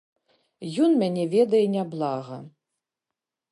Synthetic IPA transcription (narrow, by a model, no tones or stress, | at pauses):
jɔnmʲanʲɛvʲɛd̪ɐjɛnʲablˠaɣɐ̰